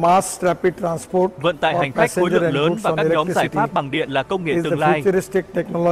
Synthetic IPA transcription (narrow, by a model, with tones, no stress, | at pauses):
masɾɛpiɖ̚ʈɾãnspoɾvə̰˧˨nt̪a̰ː˧˨ha˨˩jŋ̟xa˦˥k̚o˨˦lɨ̰˧˨ləː˨˦vaː˨˩aː˦kɲɔ˨˦mzaː˧˩jfaː˦˥p̚ɓa˨˩ŋɗḭ˧˨ənlaː˨˩kə˧wŋ͡mŋḛ˧˨ɨ˨˩ŋlaː˧jtɾisʈik̚ʈeknɔlɔ